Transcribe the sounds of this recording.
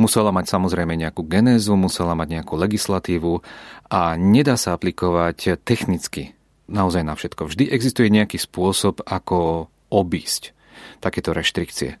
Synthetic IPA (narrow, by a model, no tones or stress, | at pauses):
musɛlamacsamɔzɾɛjmɛɲɛakuːɡɛnɛːzumusɛlamaɟɲɛakuːlɛɡislat̪iːʋuaɲɛd̪aːsaaplikɔʋact̪ɛxnit͡ski | naɔzajnafʃɛt̪kɔvʒd̪iʔɛɡzist̪ujɛɲɛakiːspʊɔsɔbakɔ | ɔbiːsc | t̪akɛːt̪ɔɾɛʃt̪ɾikt͡siɛ̰